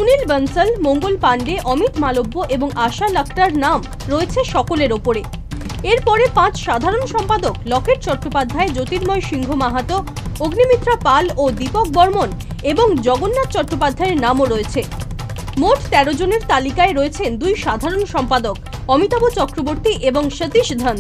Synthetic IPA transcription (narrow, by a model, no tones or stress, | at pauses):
sunilbənsəlmoŋɡolpaɳɖeʔɔmit̪malobːoʔeboŋaʃalakʰʈaɾnam | ɾoet͡ɕʰeʃɔkoleɾopoɾe | eɾpɔɾepãt͡ɕʃad̪ʱaɾonʃɔmpad̪oklɔkʰeʈ̚t͡ɕɔʈːopad̪ʱːaed͡ʑot̪iɾmɔjʃiŋɡʱomaɦat̪ooɡnimit̪ːɾapalod̪ipok̚bɔɾmoneboŋd͡ʑɔɡonːat̪̚t͡ɕɔʈːopad̪ʱːaeɾnamoɾoet͡ɕʰe | moʈt̪ɛɾod͡ʑoneɾt̪alikaeɾoet͡ɕʰend̪ujʃad̪ʱaɾonʃɔmpad̪okɔmit̪abot͡ɕɔkɾoboɾt̪iʔeboŋʃət̪iʃd̪ʱən